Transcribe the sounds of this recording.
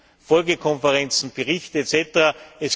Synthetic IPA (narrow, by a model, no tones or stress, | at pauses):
fɔlɡəkʰɔnfəʁɛnt͡sn̩b̥əʁɪçtet͡sɛtəʁɐɛs